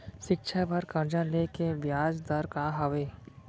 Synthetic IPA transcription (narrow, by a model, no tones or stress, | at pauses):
ʃɪkʃʰapɐɾkɐɾd͡ʒãleːkeʋjaːd͡ʒd̪ɐɾkaːɦɐʋeː